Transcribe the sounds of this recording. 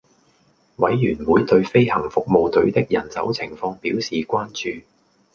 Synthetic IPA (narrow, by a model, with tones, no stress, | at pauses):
wɐ˨˥jːyː˨˩nwuː˨˥jt̪ɵ˧ɥfe˥jhɐ˨˩ŋfʊ˨k̚mo˧wt̪ɵ˨˧˥ɥt̪ɪ˥k̚jɐ˨˩nt͡sɐ̰˨˥wt͡sʰɪ˨˩ŋfɔː˧ŋpiː˨˥wsiː˨kʷaː˥nt͡ʃyː˧